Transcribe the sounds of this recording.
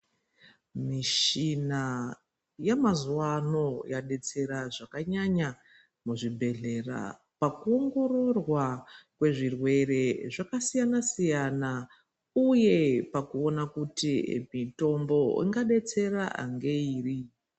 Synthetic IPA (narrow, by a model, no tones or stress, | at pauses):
miʃina | jamazuwano̞jaɗe̞t͡se̞ɾaʐakaɲaɲa | muʐibʱe̞ɮe̞ra̰ | pakuo̞ŋɡo̞ro̞rwakwe̞ʐirwe̞re̞ʐakasijanasijana | uje̞pakuo̞nakutimito̞mbo̞ḭŋɡaɗe̞t͡se̞raʔa̰ŋɡeiːri